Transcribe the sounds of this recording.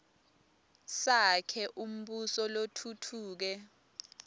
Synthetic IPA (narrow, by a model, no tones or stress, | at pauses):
sakʰɛʔum̩ɓusɔlotʰutʰuːk̬ɛ